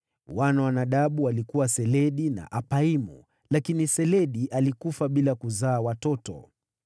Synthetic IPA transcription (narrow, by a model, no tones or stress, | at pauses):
wanawanaɗaɓuwalikuwasɛlɛɗina̰ʔapaimṵ | lakinisɛlɛɗiʔalikufaɓilakuzaːwatɔtɔ̰